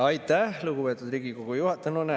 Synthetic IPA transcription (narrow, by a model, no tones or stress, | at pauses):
ɑjt̪ːæhluɡupeːt̪ːˑud̪ɾiːɡikoɡ̥ujuhɑt̪ːˑɑnune